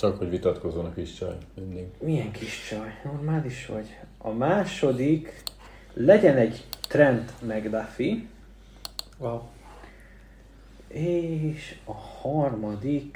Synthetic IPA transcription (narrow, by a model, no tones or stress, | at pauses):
t͡ʃɒkhoɟʋit̪ɒt̪ko̞zːonɒkiʃt͡ʃɒ̰jmynːiɡmijɛŋkʰiʃt͡ʃɒjno̞rmaːliʃho̰ɟ | ɒ̰maːʃo̞d̪ik | lɛɟɛnɛɟt̪rɛnt̪mɛɡd̪afi | eːʃɒhɒrmɒd̪ik